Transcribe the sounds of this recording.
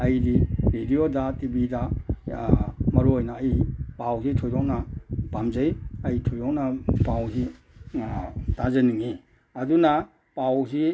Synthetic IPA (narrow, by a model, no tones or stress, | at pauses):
ɐjidiɾediodatibida | mɐɾuojnaːjipawzitʰojdɔknabamzejɐjitʰojɔknapawzi | tazɐniŋi | ɐduna | pawzi